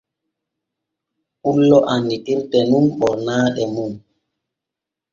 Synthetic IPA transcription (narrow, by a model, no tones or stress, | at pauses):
ulːɔʔanːitiɾtɛnumɓɔɾnaːɗɛmun